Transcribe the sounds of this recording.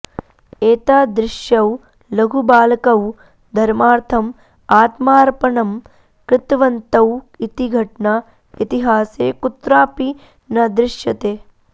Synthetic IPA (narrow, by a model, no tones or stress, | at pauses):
eːt̪aːd̪ɾɪʃjɐw | lɐɡʱubaːlɐkɐw | d̪ʱɐɾmaːɾt̪ʰɐm | aːt̪maːɾpɐɳɐm | kɾɪt̪ʋɐnt̪ɐw | it̪iɡʱɐʈɳɐ | it̪iɦaːseːkut̪ɾaːpi | nɐd̪ɾɪʃjɐt̪eː